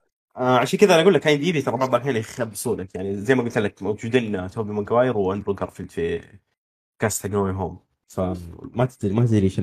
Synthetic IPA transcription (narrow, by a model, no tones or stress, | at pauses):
ʔaʕaʃaːnkɪd̪aʔanaɡulːakʔajnd̪iːbit̪ɑɾˤɑbaʕbakaːnxabsuːnakjaʕnizajmaɡʊlt̪ɪlːakmawd͡ʒd͡ʒuːd̪iːnat̪obimɪɡawaːjɪɾwʔand̪ɾuɡɑɾˤfɪlt̪fi | kast̪aɡnoːiɦoːm | famat̪ɪd̪imat̪ɪd̪ɾiːʃ